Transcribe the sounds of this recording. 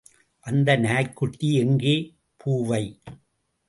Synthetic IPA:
ʔɐnd̪ɐnaɐkːʊʈːiɛŋɡeː | pʰuːʋɐɪ

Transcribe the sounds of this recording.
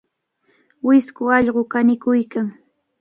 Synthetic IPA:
wɪskʊɑʎɢokanɪkʊjkaŋ

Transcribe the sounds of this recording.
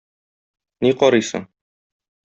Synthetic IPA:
niqɒɾɤjsɤ̰ɴ

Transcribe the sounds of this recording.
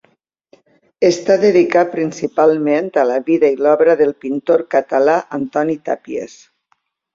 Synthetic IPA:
est̪aðeðikat̪̚pɾinsipalˠment̪ələβiðəilɔβɾəðəlˠpint̪oɾkət̪alaʔant̪ɔnit̪a̰piḛs

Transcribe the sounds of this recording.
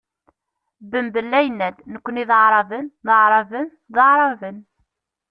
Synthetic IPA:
bəmbəlːæjnːæd̪nəkʷːəniðəʕɾˤɑvənðəʕɾˤɑvən | ðˤəʕɾˤɑvən

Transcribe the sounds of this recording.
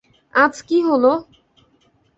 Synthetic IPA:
ad͡ʑkiɦolo

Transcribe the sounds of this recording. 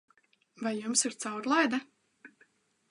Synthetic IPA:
vajːumsiɾ̥t̪sawɾlˠajd̪a

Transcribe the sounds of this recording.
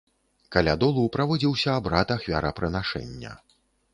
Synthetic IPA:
kalʲad̪ɔlˠupɾavɔd͡zʲiwsʲɐːbɾat̪axvʲa̰ɾɐpɾɨnaʂɛ̰nʲːɐ̰

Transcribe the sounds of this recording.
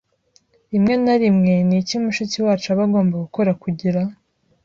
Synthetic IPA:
imŋe̞naɾimŋe̞nicimuʃuciwaːt͡ʃuaβaɡo̞ːmbaɡuko̞ɾakuɟiɾa

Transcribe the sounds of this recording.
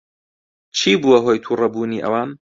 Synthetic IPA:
t͡ʃʰiːbuwɐɦojt̪ʰuːrɐbuːniːʔɐ̰waːn

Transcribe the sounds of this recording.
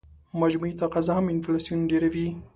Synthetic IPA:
mad͡ʒmuit̪aqazaɦamɪnflasijunɖeɾawi

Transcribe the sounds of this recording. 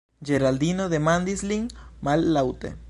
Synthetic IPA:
d͡ʒeɾald̪inoðemand̪isliŋmalːawt̪ḛ

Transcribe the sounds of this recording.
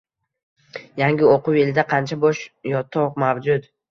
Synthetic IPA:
jaŋɡʲɪoqʊwe̞lɪd̪aqʰɑnt͡ʃʰabɒʃjɒt̪ʰːɒʁmawd͡ʒʊt̪

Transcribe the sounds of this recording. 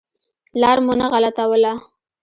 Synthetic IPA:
lɑɾmonaɣalat̪awəla

